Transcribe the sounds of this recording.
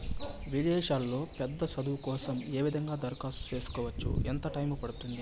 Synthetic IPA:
ʋid̪ɛːʃaːlːo̞ːpɛd̪ːɐsɐd̪ukɔːsɐme̞ːʋid̪ʱɐŋɡaːd̪ɐɾkaːsu̥t͡ʃe̞ːsu̥kɔːʋɐt͡ʃːṵɛnt̪ɐʈɐjmupɐɽut̪und̪i

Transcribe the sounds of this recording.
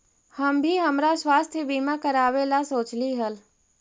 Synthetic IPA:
həmbʱiɦəmɾaswaːst̪ʰjəbiːmakəɾaːwelasoːt͡ʃliɦəl

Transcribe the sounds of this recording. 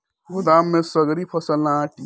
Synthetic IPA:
ɡʊd̪amːẽsəɡɾipʰəsəlnaʈi

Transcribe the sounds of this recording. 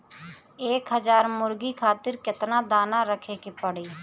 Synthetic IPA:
eːkɦəzaːɾmʊɾɡiːkʰaːt̪ɪɾkɪt̪nãːd̪aːnãːɾəkʰeːkepəɽeː

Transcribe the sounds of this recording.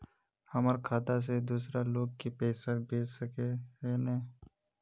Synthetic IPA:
hɐməɾkʰaːt̪as̬ed̪uːs̬ɾaloːɡ̚kipeːsəɾbʱeːd͡ʒsəkeɦeneː

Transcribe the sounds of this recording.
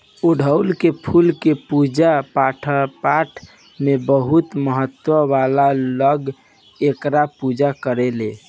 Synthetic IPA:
uɖʱəʊlkepʰulkepud͡ʒapaʈʰpaʈʰ | mebəɦut̪məɦət̪ːwəʋalaləɡ | ekɾapud͡ʒakəɾele

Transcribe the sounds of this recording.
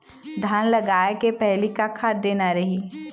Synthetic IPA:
d̪ʱaːnlɐɡaːekepɛɦlikakʰaːd̪eːnaɾɐɦiː

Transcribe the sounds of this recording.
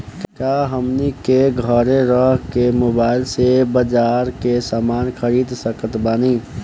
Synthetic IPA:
kaɦəmnikeɡʱɔɾeɾɔɦkemʊbaːɪlsebəd͡ʒaːɾkesaːmaːnxʰəɾiːd̪səkət̪baːni

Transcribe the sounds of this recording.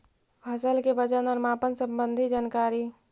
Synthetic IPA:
bʱɐsəlkebəd͡ʒənɔːɾmaːpənsə̃mbə̃nd̪ʱid͡ʒaːnkaːɾi

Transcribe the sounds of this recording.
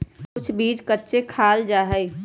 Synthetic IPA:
kʊt͡ʃʰbiːd͡ʒkətːʃekʰaːld͡ʒaːɦəi

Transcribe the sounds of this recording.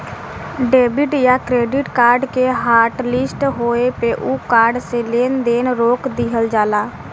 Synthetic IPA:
ɖeːbɪʈjakɾeːɖɪʈkaːɾɖkeɦaːɾʈlɪsʈɦoepeʔukaːɾɖseleːnd̪eːnɾoːkd̪iɦəld͡ʒaːlaː

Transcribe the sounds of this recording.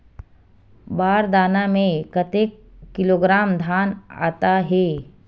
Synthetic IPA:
baːɾd̪aːnamẽkət̪ekːɪloːɡɾaːmd̪ʱaːna̰ːt̪aɦɛː

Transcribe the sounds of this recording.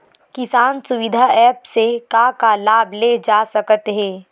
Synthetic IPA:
kɪsaːnsʊʋɪd̪ʱaɛːpsekakalaːbʱled͡ʒaːsɐkət̪ɦɛ̃ː

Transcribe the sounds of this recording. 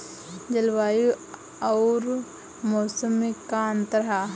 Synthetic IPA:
d͡ʒɐlwaːju | ɔːɾ | mɔːsəmːikːant̪əɾɦa

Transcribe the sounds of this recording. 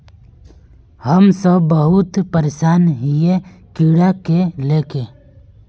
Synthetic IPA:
həmsəbːəɦʊt̪pəɾeːʃaːnɦijekiːɽakeleːkeː

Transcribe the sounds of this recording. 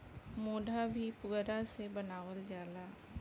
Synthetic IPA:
moːɖʱabʱipʊɡɾasebənaːwəld͡ʒaːlaː

